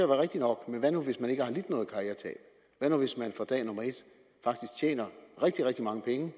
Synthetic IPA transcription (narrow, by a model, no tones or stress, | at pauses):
æʋæɐʁeɡ̥d̥inɒ̽ɡ̥meʋænuʋe̝smæne̝ɡ̥əhɑ̈lid̥nɔ̽ːðˠkʰɑ̈ːeɐt͡sʰɛ̰ːl | ʋænuʋe̝smænfɑd̥ɛ̰ːnɔ̽mɐe̝d̥ | fɑ̈ɡ̥d̥isɡ̥̚t͡ɕʰjḛːnɐʁɛɡ̥̚d̥iʁeɡ̥̚d̥imɑ̈ŋəpʰeŋə